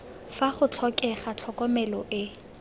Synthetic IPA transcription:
faχʊt͡ɬʰɔkʼɛχat͡ɬʰɔkʼɔmɛlɔʔɪ

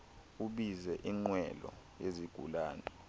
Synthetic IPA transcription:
uɓizɛʔiŋ͡ǃwɛlɔ̰ | jeziɡ̥ʱṵlaːnɛ

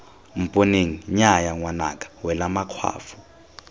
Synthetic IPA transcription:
m̩pʼoneŋiɲajaŋwana̰kʼḁwɛlamakʰwa̰ːfu̥

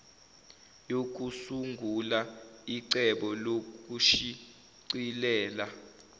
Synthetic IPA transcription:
jok̬usuŋɡʱulaiǀɛɓɔlok̬ʼuʃi | ǀilɛːla

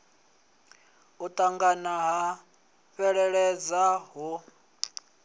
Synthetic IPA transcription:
ut̪ʼaŋɡanaɦa | ɸɛɺɛɺɛd͡zaɦu

